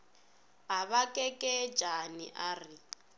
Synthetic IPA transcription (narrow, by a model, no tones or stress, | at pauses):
ɦaβakʼɛkʼɛd̥d͡ʒʱanḭʔaːri